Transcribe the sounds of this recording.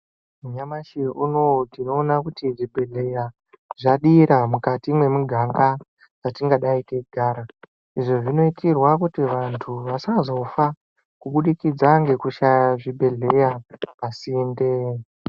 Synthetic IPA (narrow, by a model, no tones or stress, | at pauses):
muɲamaʃiunotino̞ːnakutiʐibʱe̞ɮe̞ja | ʐaɗiɾamukatimwe̞muɡʱaŋɡa | d͡zatiŋɡaɗaiteɡʱaːɾa | iʐo̞ʐino̞itirwakutiʋantʰuʋasazo̞fa | kuɓuɗikid͡zaŋɡe̞kuʃajaʐibʱe̞ɮe̞japasinde